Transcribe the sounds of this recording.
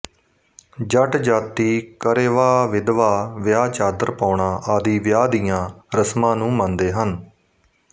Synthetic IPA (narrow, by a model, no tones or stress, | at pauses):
d͡ʒəʈd͡ʒaːt̪iːkəɾeːʋaːʋɪd̪ʋaːʋjaːt͡ʃaːd̪əɾpaːɳãːʔaːd̪iːʋjaːd̪ijãːɾəsmãːnũːmə̃nd̪eːɦən